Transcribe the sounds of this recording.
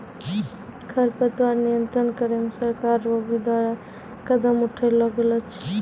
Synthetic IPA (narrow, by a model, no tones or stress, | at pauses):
kʰəɾpət̪waɾnijənt̪ɾənkəɾemesəɾkaɾoɡid̪waɾa | kəd̪əmuʈʰəjlɔɡelət͡ʃʰ